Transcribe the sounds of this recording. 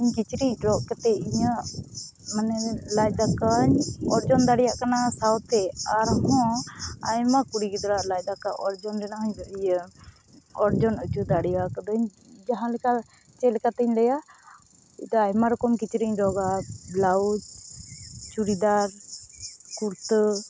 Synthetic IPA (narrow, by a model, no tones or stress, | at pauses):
iɲkit͡ʃɾiɲɖɔʔkɛt̪ɛiɲəʔ | manɛlajd̪akaɲɔɾd͡ʒɔnd̪aɽijaʔkanasawt̪ʰɛaɾɦɔ̃ajmakuɽiɡid̪ɔɾaʔlajd̪akaʔɔɾd͡ʒɔnɾɛnaɦɔɲɔʔijə | ɔɾd͡ʒɔnut͡ʃud̪aɽijakəd̪ɔɲ | d͡ʒaɦãlɛka | t͡ʃɛlɛkat̪ɛɲlɛja | d̪ɔajmaɾɔkɔmkit͡ʃɾiɲɖɔɡablaud͡ʒ | t͡ʃuɾid̪aɾ | kuɾt̪